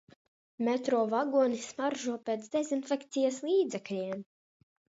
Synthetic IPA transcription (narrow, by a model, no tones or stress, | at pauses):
mɛt̪ɾuɔvaɡuɔnismaɾʒuɔpʲeːt̪sd̪ɛzinfʲɛkt̪sijaslˠiːd̪zɛklʲiɛm